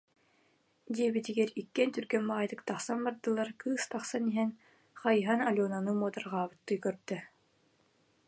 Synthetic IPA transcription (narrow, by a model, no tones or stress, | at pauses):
d̪iɛbit̪iɡɛɾikːɛnt̪yɾɡɛnmaʁajd̪ɯk̚t̪aχsanbaɾd̪ɯlˠaɾkɯːst̪aχsaniɦɛn | χajɦanalʲɔːnanɯmuɔt̪aɾʁaːbɯt̪ːɯjkœɾd̪̥œ